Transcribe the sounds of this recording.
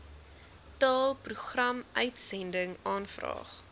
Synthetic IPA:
tɑːlˠpruχrɐmʔœɥtsɛndəŋɑːnfrɑ̰ːχ

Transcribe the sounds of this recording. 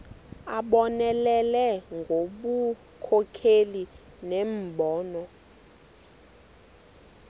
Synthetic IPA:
aɓɔnɛlɛlɛŋɡʱoɓu | kʰɔkʰeli | nem̩ɓɔːnɔ

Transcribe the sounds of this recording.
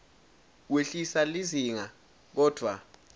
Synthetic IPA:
weɬisaliziŋa | k̬ɔːd̥ʱwa

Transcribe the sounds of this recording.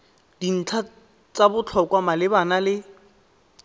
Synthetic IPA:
din̩t͡ɬʰa | t͡sabʊt͡ɬʰɔkʼwamalɪbanalɪ

